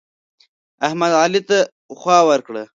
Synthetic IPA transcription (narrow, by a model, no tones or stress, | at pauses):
ahmad̪ɑːlit̪a | xwɑːwəɾkɽə̰